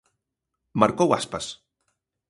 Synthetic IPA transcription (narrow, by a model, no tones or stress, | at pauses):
maɾkowa̰spas